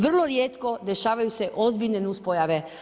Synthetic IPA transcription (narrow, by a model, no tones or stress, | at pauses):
ʋr̩lˠoɾjeːt̪ko̞d̪e̞ʃaːʋajuse̞ʔo̞zbiʎnenuspojaʋe